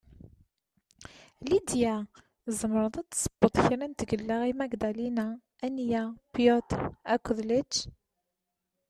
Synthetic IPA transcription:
lid̪jæ | zəmɾˤəðˤɑt͡sːsˤə̥b̥ːət̪ˤçɾint̪ɡəlːæʁimæɡd̪ælinæ | ænjapjɔt̪ækʷːəðlət͡ʃː

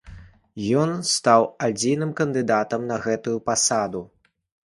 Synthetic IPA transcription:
jɔnst̪awad͡zʲinɨmkɐnd̪ɨd̪at̪ɐmnɐɣɛt̪ujupasad̪u

